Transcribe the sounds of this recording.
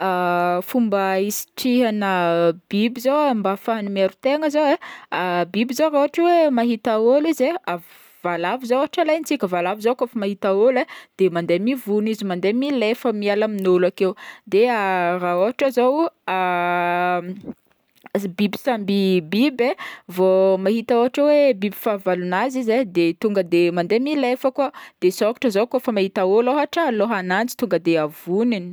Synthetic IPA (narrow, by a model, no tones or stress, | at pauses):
afumbəisi̥ʈ͡ʂiɦanəbibizowmbafanimeɾut̪eŋəzoweabibizoɾaoɦaʈ͡ʂwemaɦit̪aolizea | valavizowaʈ͡ʂalajnit͡sikʲəvalavizokofamaɦit̪aoled̪̥emand̪emivunizimand̪emilefəmialaminolakewd̪earaoɦaʈ͡ʂəzowa | bibi̥sambibibevomaɦit̪aoɦaʈ͡ʂawebibi̥favalunazized̪et̪uŋɡəd̪emand̪emilefəkuəd̪̥esokḁʈ͡ʂəzokofəmahit̪aoloɦaʈ͡ʂəloɦanant͡si̥t̪uŋɡəd̪eavunini̥